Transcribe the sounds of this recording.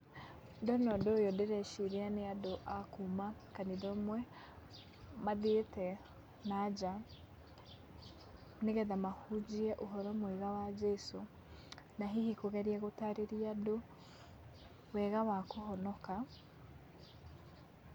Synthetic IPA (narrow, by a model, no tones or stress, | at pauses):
ndɔnɔdojɔdeɾɛʃiɾianeadoʔakumakaniðɔmwɛ | maðetɛ | nad͡ʒa | neɣɛðamahud͡ʑiɛʔoɦɔɾɔmoeɣawad͡ʒɛso | naɦihikoɣɛɾiaɣotaɾeɾiado | wɛɣawakohɔnɔka